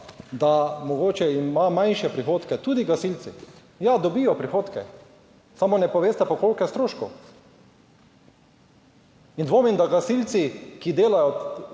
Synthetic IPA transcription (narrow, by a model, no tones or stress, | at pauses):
d̪amɔɡoːt͡ʃɛimamanʃɛpɾixoːt̪kɛt̪uːd̪iɡasilt̪si | jad̪ɔbijɔpɾixoːt̪kɛ | samonɛpɔʋeːst̪ɛpɔkoːlkjɛst̪ɾoːʃkɔ | ind̪ʋoːmind̪aɡasilt̪sikid̪eːlajɔ